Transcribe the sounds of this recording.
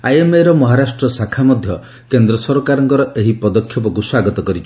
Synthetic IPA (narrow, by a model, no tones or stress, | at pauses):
ajemeɾɔmɔɦaɾasʈɾɔsakʰamɔd̪ʱjɔ | kend̪ɾɔsɔɾɔkaɾɔŋkɔɾɔʔeɦipɔd̪ɔkʰːjɔpɔkuswaɡɔt̪ɔkɔɾit͡ʃʰɔ̥